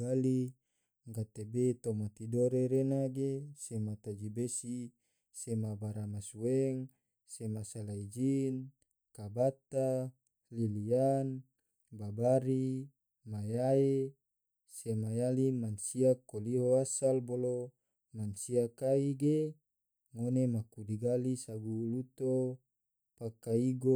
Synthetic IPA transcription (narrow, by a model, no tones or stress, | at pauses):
ɡali | ŋɡat̪ebet̪omat̪idoɾeɾenaɡesemat̪ad͡ʒibesi | semabaɾamasueŋ | semasalaid͡ʒin | kabat̪a | lilian | babaɾi | majae | semajalimansiakoliɦoasalbolo | mansiakaiɡe | ŋonemakudiɡalisaɡulut̪o | pakaiɡo